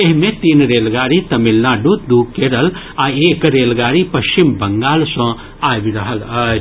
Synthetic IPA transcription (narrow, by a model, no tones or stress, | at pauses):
eɦmẽt̪iːnɾeːlɡaːɾit̪ɐmilnaːɖut̪̚d̪ukeːɾəl | aeːkɾeːlɡaːɾipɐʃt͡ʃimbɐŋɡaːlsɔ̃ | aːbiɾɐɦəlɐ